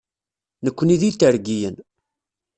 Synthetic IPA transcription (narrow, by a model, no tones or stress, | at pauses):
nəkʷːəniðit̪ːəɾɡijən